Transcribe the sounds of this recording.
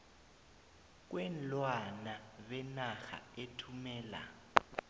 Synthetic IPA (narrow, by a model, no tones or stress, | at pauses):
k̬wɛnlwanaɓɛnaxa̰etʰumɛːla̰